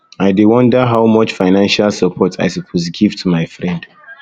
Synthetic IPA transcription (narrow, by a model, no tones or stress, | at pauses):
aɪdewɔ̃ndəɦawmʌt͡ʃfaɪnãnʃalsəpʰɔtʰa̰jsəpʰozɡiv̥tʰumaɪfɹɛ̃nd